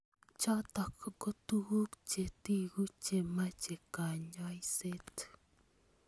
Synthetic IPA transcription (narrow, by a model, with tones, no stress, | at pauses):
t͡ʃat̪a˨ko˨ko˦t̪uɣu˦kt͡ʃe˨t̪i˦ɣu˦t͡ʃe˨mat͡ʃe˨ka˨ɲa˦jse˦t̪